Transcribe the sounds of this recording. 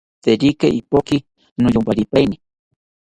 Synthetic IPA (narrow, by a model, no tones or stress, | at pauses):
t̪eɾikaʔipoki | nʊjʊmpaɾipajni